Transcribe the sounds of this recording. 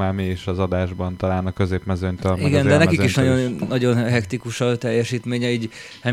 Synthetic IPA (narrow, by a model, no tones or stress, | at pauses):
aːmiiʃɒzɒd̪aːʒbɒnt̪ɒlaːnɒkø̞zeːpmɛzøɲt̪ørmiɡɛnd̪ɛnɛkikkiʃʃnɒɟo̞nnːɒɟo̞nɦɛkt̪ikuʃɒt̪ɛjːɛʃiːt̪meːɲɛiːɟ | hɛ